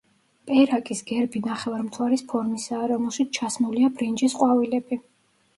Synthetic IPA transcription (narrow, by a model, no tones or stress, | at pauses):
pʼɛɾakʼisɡɛɾbinaχɛvaɾmt̪ʰwaɾispʰɔɾmisaːɾɔmɛlˠʃit̪sʰt͡ʃʰasmuliabɾind͡ʒisqʼwavilɛb̥i